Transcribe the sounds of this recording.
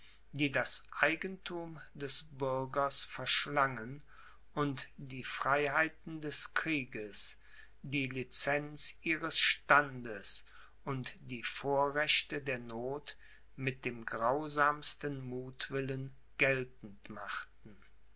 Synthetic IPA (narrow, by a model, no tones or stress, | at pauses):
d̥iːdasʔaɪɡəntʰuːmdɛsbʏɐɡɐsfɛɐʃlaŋən | ʊntd̥iːfʁ̥aɪɦaɪtn̩dɛskʁ̥iːɡəs | d̥iːlit͡sɛnt͡sʔiːʁəsʃtandəs | ʊntd̥iːfoːɐʁɛɕtədeːɐnoːt | mɪt̚d̥eːmɡʁaʊzaːmstənmuːtv̥ɪlən | ɡ̥ɛltn̩tmaχtn̩